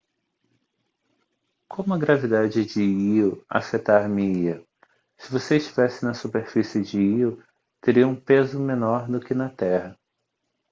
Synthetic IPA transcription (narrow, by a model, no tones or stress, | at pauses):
kʰõmʊɐɡɾavid̪ad͡ʒɪd͡ʒɪiwa̰fet̪aɾmiiɐ | sɪvoseɪʃt͡ʃivɛsɪnɐsupeɾfisɪd͡ʒɪiw | t̪eɾiɐũpezʊmẽnɔɾd̪ʊkɪnɐt̪ɛhɐ